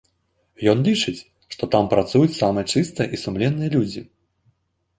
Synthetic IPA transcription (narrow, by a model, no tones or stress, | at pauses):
jɔnlʲit͡ʂɨt͡sʲ | ʂt̪ɔt̪ampɾat̪sujut͡sʲsamɨjɛt͡ʂɨst̪ɨjɐʔisumlʲɛnːɨjɐlʲud͡zʲi